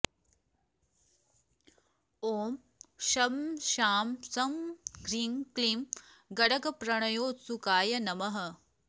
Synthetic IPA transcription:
oːm | ʃɐmʃaːmsɐmɡɾiːŋkliːmɡɐɽɐkɐpɾɐɳ̃ɐjoːtsukaːjɐnɐmɐɦɐ̆

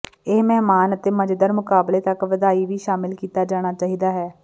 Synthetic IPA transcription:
eːmɛɦmaːnət̪eːməd͡ʒd̪əɾmʊkaːbleːt̪əkʋəd̪aːiːʋiːʃaːmɪlkiːt̪aːd͡ʒaːɽ̃aːt͡ʃaːɦiːd̪aːɦɛː

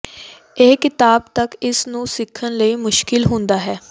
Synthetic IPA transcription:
eːkɪt̪aːbt̪əkɪsnũːsɪkʰːənləiːmʊʃkɪlɦʊ̃nd̪aːɦɛː

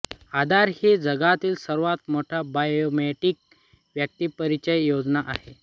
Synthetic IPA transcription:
ad̪aɾhiːd͡zəɡat̪iːlsəɾʋat̪̚moʈʰabajomeʈiːk̚ | ʋjək̚t̪iːpəɾit͡ɕəjjod͡znaʔaɦe

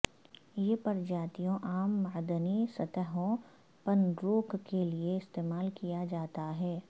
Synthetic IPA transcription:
jepɐɾd͡ʒaːt̪ijõʔaːmːaːd̪ənisɐt̪əɦõ | pɐndɾoːkkelieɪst̪eːmaːlkijad͡ʒaːt̪aɦɛː

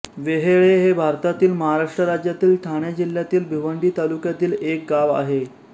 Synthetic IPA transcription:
ʋeɦeɭeɦebʱaɾt̪at̪iːlməɦaɾaʂʈɾəɾad͡ʑjat̪iːlʈʰaɳ̃jad͡ʑil̤jat̪iːlbʱiʋəɳɖiːt̪alukjat̪iːlek̚ɡaʋa̰ɦe

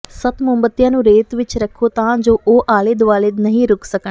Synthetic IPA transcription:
sət̪mʊ̃mbət̪ːijãːnũːɾeːt̪ʋɪt͡ʃɾəkʰoːt̪ãːd͡ʒoːʔoːʔaːlɪd̪ʋaːlɪd̪nəɦĩːɾʊksəkə

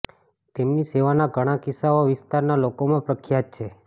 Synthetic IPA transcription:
t̪emniseʋanaɡʱəɽ̃ãkisaoʋɪst̪aɾnalokomãpɾəkʰjat̪̚t͡ʃʰe

